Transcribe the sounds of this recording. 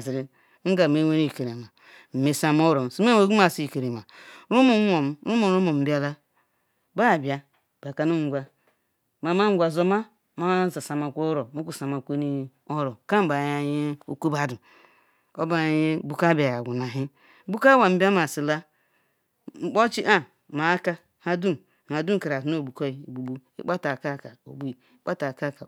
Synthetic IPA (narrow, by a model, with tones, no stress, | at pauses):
zi˨ɾi˦ | ŋ̩˦ɡa˨me˦we˦ni˦˨ke˨ɾe˨ma˨ | m̩˨me˨sa˨m˦o˦ɾo˨si˦me˦e˨˦ɡu˦a˨si˦˨ke˨ɾe˨ma˨ɾu˦mo˨˦o˨m̩˦ɾu˦mo˨˦o˦mo˨m̩˨di˦a˨la˦ | ba˦˨bja˨ | b̥a˨ka˨nu˦ŋ˦ɡʷa˦ | ma˨ma˦ɡʷa˨zo˦ma˦ | ma˦za˨sa˨ma˨kʷo˦ɾo˨mo˦ku˦˨sa˨ma˨kʷe˦ni˦ | o˦ɾo˨ka˦m̩˨ba˨ja˨je˦o̰˦ku˦ba˨du˨ | o˦ba˨˦je˦bu˦ka˦ba˨ja˨ɡʷu˨na˨ɦi˦ | bu˦ka˦wa˨m̩˦bʲa˦ma˨si˨la˦ | ŋ͡m̩˦k͡po˦t͡ʃi˦ʔa˦ | ma˨˦ka˦ | ha˦du˦˨ | ma˨du˦˨ka˨ɾa˨tno˦˨bu˨ko˦i˨i˨bu˨bu˦ḭ˦k͡pa˦ta˨ka˦˨ka˨o̰˨bu˦i˨ | i˦k͡pa˦ta˨ka˦˨ka˨